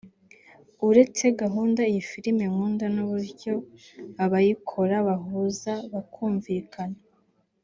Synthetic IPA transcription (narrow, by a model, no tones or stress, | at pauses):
uɾe̞t͡se̞ɡaɦuːndaijifiɾimemŋuːndanuβuɾɟo̞aβajikʰo̞ɾaβaɦuzaβakʰuːɱvikʰana